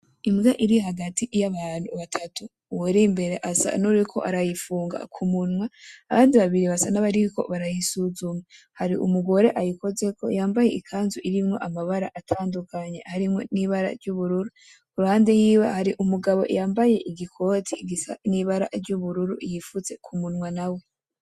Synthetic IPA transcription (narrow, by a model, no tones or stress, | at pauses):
imɡaʔiɾiɦaɡatijaβaːn̥huβatʰatu | weɾimbe̞ɾe̞ʔasa̰nuɾikʰo̞̰ʔaɾajifuːŋɡa̰kʰumunwaaβaːndiβaβiɾiβasanaβaɾiko̞̰βaɾajisuzuma | haɾiʔṵmuɡo̞ɾe̞ʔajiko̞ze̞kʰojaːmbaje̞ikʰaːnzuʔiɾimŋo̞̰ʔamaβaɾaʔatʰaːndukaɲe̞haɾimŋo̞̰niβaɾa̰ɾɟuβuɾuɾu | kuɾuhaːndejiwahaɾiʔumuɡaβo̞̰jaːmbaje̞ʔiɡikʰo̞ːtʰiɡisa̰niβaɾa̰ɾɟuβuɾuɾṵjifuze̞kʰumunwanawe̞